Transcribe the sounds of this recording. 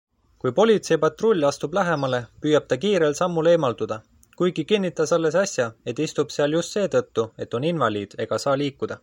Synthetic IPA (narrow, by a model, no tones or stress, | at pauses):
kujpo̞lʲit̪se̞jpɑt̪ro̞lʲːɑst̪ub̥læɦe̞mɑle̞pyːjɑb̥̚t̪ɑkiːɾelsɑmːule̞ːmɑld̪̥ud̪̥ɑ | kujɡ̥ikinːit̪ːˑɑsɑlːe̞sɑsjɑe̞t̪ːˑist̪ub̥seɑljust̪se̞ːt̪ɤt̪ːue̞t̪ːˑo̞ninvɑlʲiːd̪̥e̞ɡ̥ɑsɑːliːkːˑud̪̥ɑ